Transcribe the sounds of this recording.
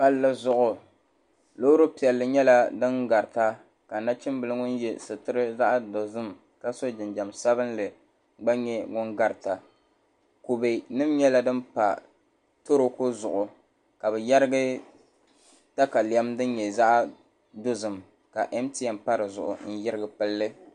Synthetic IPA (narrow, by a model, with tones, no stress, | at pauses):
pa˦lːɨ˦zʊ˦ʔʊ˨ | lo˦ɾo˦pi˨ɛ˨lːɨ˨ɲɛ˦la˦dɨ˦nɡa˨ɾta˦ | ka˨na˦t͡ʃɪ˦mbɨ˨lɨ˦ŋʊ˦n˦jɛ˦sɨ˨tɨ˦ɾɨ˦za˦ʔdo˨zɨ˦m | ka˦so˦d͡ʒɪ˨nd͡ʒa˨msa˦bɨ˦n˦lɨ˨ | ɡ͡ba˦ɲɛ˦ŋʊ˦ŋɡa˨ɾta˨ | ku˨be˨nɨ˦mɲɛ˦la˨dɨ˦mpa̰˨ | to˦ɾo˦kʊ˦zʊ˨ʔʊ˨ | ka˨bɨ˨ja˦ɾɨ˦ɡɨ˦ | ta˦ka˨li˨ɛ˦mdɨ˦n˦ɲɛ˨za˦ʔ | do˦zɨ˨m | ka˨ʔɛ˦mti˦ja˨mpa˦ɾɨ˨zʊ̰˨ʔʊ̰˨n̩˦jɪ˦ɾɨ˦ɡɨ˨pɨ˦lːɨ˦